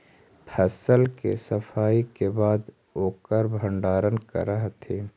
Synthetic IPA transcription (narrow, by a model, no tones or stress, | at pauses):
pʰɛsəlkḛsəpʰaːikebaːd̪ | oːkəɾbʱəɳɖaːɾənkə̰ɾəɦt̪ʰeː